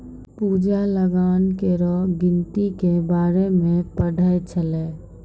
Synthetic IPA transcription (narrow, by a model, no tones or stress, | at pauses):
puːd͡ʒaləɡankeɾɔɡɪnt̪ikebaːɾemẽpəɽʱəjt͡ʃʰəlɛː